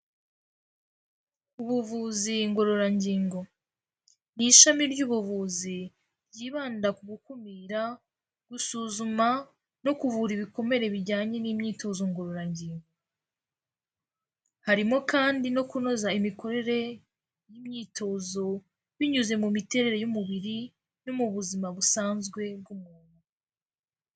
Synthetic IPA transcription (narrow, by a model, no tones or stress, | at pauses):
uβuvuziŋɡo̞ɾo̞ɾaɲɟiːŋɡo̞ | niʃamiɾɟuːβuvuzi | ɾɟiːβaːndakuɡukumiːɾa | ɡ̥usuːzuma | no̞kuvuɾiβiko̞me̞ɾe̞βiɾɟaːɲe̞nimɲiːtʰo̞zoŋɡo̞ɾo̞ɾaɲɟiːŋɡo̞ | haɾimo̞kaːndino̞kuno̞zaimiko̞ɾe̞ɾe̞ | jimɲiːtʰo̞ːzo̞ | βiɲuze̞mumite̞ɾe̞ɾe̞jumuβiɾi | nomuβuzimaβusaːnzɡwe̞b̚ɡumuːnu